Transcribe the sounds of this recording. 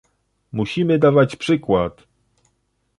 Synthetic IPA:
muɕimɘd̪avat͡ɕpʂɘkwat̪

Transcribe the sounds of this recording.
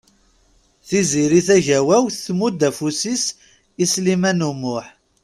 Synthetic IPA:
θiziɾiθæʝæwæwθθmud̪æfusis | islimænumʊħ

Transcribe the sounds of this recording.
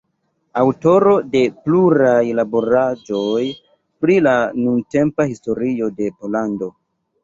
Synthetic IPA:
awto̞ɾo̞de̞pluɾajlaboɾad͡ʒo̞j | pɾilanunte̞mpahisto̞ɾio̞de̞po̞lando̞

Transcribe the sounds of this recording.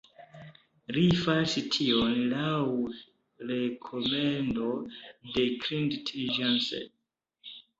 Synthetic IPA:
lifasitʰionlaw | ɾekʰomendodekɾindtʰelid͡ʒansḛ

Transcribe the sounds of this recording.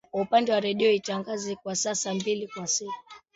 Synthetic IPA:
kwaupandɛwaɾɛɗiɔitaŋɡazɛkwasasambilikwasiku̥u

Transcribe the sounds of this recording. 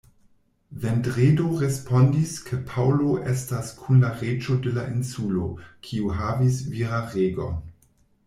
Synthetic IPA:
vendʁedoʁespo̞ndiskʰepʰawlo̞ʔestaskʰunlaʁet͡ʃo̞de̞laʔinsulokʰiuɦavisviɾaʁeɡo

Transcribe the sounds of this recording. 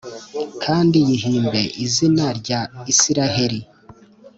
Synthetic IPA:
kʰaːndijiɦiːmbe̞ʔizinaɾɟaisiɾaɦe̞ɾi

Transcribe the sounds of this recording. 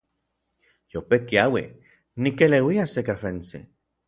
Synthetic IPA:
jopekiawḭ | nikelewiasekafensḭ

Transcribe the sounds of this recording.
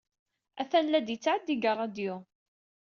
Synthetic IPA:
æθænlæd̪jət͡sːaʕəd̪iɡərˤːɑd̪jʊ

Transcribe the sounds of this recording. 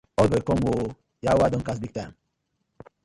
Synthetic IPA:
ɔbekɔmwo | jawadɔ̃nkas̬biɡ̚tam

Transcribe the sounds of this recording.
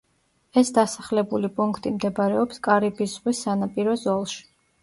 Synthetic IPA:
ɛsd̪asaχlɛbulipʼuŋkʰt̪ʼimd̪ɛbɾɛɔpskʼaɾibiszʁwisːanapʼiɾɔzɔlˠʃi̥

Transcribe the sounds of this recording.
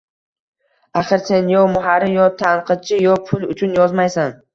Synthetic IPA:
aχɨɾse̞njɒmʊɦaɾɪjɒt̪ʰanqʰɨd̪̚t͡ʃʰɪjɒpʰʊlˠʊt͡ʃʰʊnjɒzmajsan

